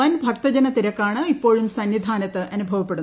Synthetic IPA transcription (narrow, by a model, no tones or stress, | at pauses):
ɐnbʱɐk̚t̪ɐd͡ʑɐnɐt̪iɾɐkːaːɳɨipːo̞ːɻumsɐnʋid̪ʱaːnɐt̪ːɨʔɐnubʱɐʋɐpːeɽun